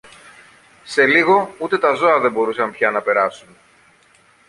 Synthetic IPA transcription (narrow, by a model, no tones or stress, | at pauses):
se̞liɣo̞ut̪e̞t̪ɐzo̞ɐðe̞mbo̞ɾusɐmpçɐnɐpe̞ɾɐsun